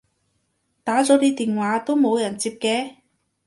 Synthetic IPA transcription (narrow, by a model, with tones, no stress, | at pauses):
t̪aː˨˥t͡sɔː˨˥t̪iː˥t̪iː˨nwaː˨˥t̪o˥wmo˨˧wjɐ˨˩nt͡siː˧p̚kɛː˧